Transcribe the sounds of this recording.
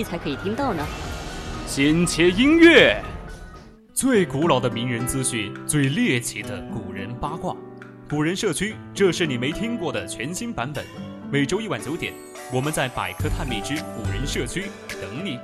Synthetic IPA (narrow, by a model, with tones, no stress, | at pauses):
t͡sʰa˧˥ɪkʰɤ˧˥i˨˩t̪ʰi˥ŋt̪ɑ˥˩ʊnə˩ | ɕɛ˧˥nt͡ɕʰjɛ˧˥i˥ŋɥɛ˥˩ | t͡swe˥˩ɪku˧˥lɑ˨˩ʊd̪ə˦mi˧˥ŋɻə˧˥nt͡sɹ̩˥ɕy˥˩t͡swe˥˧ɪljɛ˥˩t͡ɕʰi˧˥d̪ə˧ku˨˩ɻə̰˧˥npa˥kwa̰˥˩ŋ | ku˨˩ɻə˧˥nʂɤ˥˩t͡ɕʰy˥ | ʈ͡ʂɤ˥˧ʂɻ̩˥˩ni˨˩me˧˥ɪt̪ʰi˥ŋkwɔ˥˩d̪ə˩t͡ɕʰɥɛ˧˥nɕi˥ŋpa˧˥npə˨˩˦nme˨˩ɪʈ͡ʂo˥ʊi˥˩wa˨˩nt͡ɕjo˧˥ʊt̪jɛ̰˨˩˦n | wɔ˨˩mə˦nt͡sa˥˩ɪpa̰˨˩ɪkʰɤ˥t̪ʰa˥˧nmi˥˩ʈ͡ʂɻ̩˥ku˨˩ɻə˧˥nʂɤ˥˩t͡ɕʰy˥ | t̪ɤ˧˥ŋli˥˩